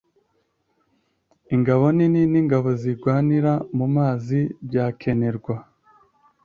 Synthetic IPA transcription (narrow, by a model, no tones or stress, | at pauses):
iŋɡaβo̞nininiːŋɡaβo̞ziɡwaːniɾamumaːzibjaːkʰe̞ne̞ɾɡwa